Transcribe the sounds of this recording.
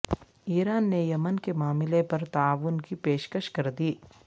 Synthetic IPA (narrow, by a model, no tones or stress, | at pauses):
iːɾaːnːejɐmənkemaːmɪlepɐɾt̪aːʋunkipeːʃkəʃkɐɾd̪iː